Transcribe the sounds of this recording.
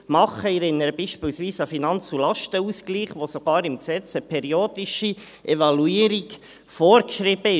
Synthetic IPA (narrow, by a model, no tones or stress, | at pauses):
mɑχəɪɾɪnəɾəb̥iːʃpɪːlsʋiːsəfinɑnt͡sulɑʃtəuːskliːχʋosoɡ̥ɑːɾɪmksɛt͡səpʰɛɾioːd̥ɪʃi | ʔɛvɑluiːɾiɡ | foːɾkʃɾiːb̥əɪ